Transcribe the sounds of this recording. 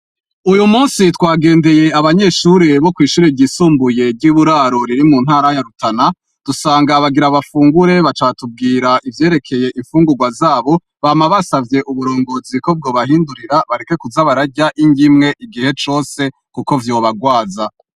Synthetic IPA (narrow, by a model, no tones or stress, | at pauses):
ujumuːnsitwaːɡe̞ːnde̞je̞aβaɲe̞ʃuːɾeβo̞kwiːʃuːɾiɟisuːmbuje̞bɟiβuɾaːɾo̞ɾiɾimuːnhaːɾajaɾutʰana | d̥usaːŋɡaβaɡiɾaβafuːŋɡuɾe̞βat͡ʃaatub̚ɡiːɾaʔivje̞ːɾe̞kʰe̞je̞ʔiɱfuːŋɡuɡwazaːβo̞ | βamaβasavje̞ʔuβuɾo̞ːŋɡo̞ːziko̞b̚ɡo̞ːβahiːnduɾiɾaβaɾe̞ke̞kuzaβaɾaɾɟaʔiɲɟimŋe̞ʔiɡihe̞t͡ʃo̞ːse̞ | kuko̞vjo̞ːβaɡwaːza